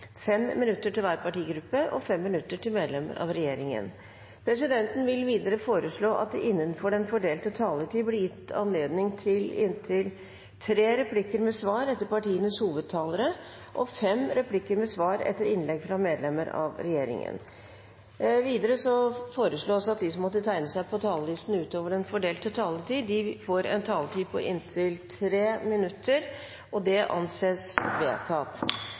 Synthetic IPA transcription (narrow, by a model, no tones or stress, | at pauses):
fɛmmɪnʉt̪ːəʈʰɪlʋæːɾpɑʈiːɡɾʉpːəʔɔfɛmːɪnʉt̪ːəʈʰɪlmeːd̪lɛmə̰ɾʔɑ̰ʋɾɛjeːɾɪŋə̰n | pʰɾɛsɪd̪ɛnt̪ən̩ʋɪlʋiːd̪əɾəfoːɾəʂɭoːʔɑ̰t̪̚d̪ɛʔɪnːənfɔɖɛnfɔɖeːlt̪ət̪ʰɑːləʈ̪ʰiːblɪjɪt̪ːɑ̰nleːd̪nɪŋt̪ʰɪlɪnt̪ʰɪl | t̪ʰɾeːɾɛpʰlɪkːəɾmɛsʋɑːɾɛt̪ːəɾpɑʈiːənəshuːʋəd̪̚t̪ʰːɑːləɾə | ʔɔfɛmɾɛpʰlɪkːəɾmɛsʋɑːɾɛ̰t̪ːəɾɪnlɛɡfɾɑmeːd̪lɛmːəɾɑ̰ʋɾɛjeːɾɪ̰ŋə̰n | ʋiːd̪əɾəsɔfoːɾəsɭoːsɑt̪̚d̪ɪsɔmːɔt̪ːət̪ʰæɪnəsæɪpʰɔt̪ʰɑːləlɪst̪n̩ʉːt̪oːʋəɖɛnfɔɖeːlt̪ət̪ʰɑːlət̪iːd̪ɪfoːɾɛ̰nt̪ʰɑːlət̪ʰiːpʰɔ̰ʔɪnt̪ʰɪlt̪ʰɾeːmɪnʉt̪ːəɾ | ɔd̪ɛʔɑ̰nseːsʋḛːt̪ʰɑːt̪